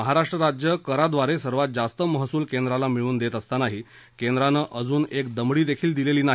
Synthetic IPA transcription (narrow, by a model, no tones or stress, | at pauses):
əɦaɾaʂʈɾəɾad͡ʑjəkəɾad̪ʋaɾesəɾʋat̪̚d͡zast̪əməɦsuːlkend̪ɾalamiɭuːnd̪et̪əst̪anaɦiː | kend̪ɾanəʔəd͡zuːnekd̪əmɽiːd̪ekʰiːld̪ileliːnaɦ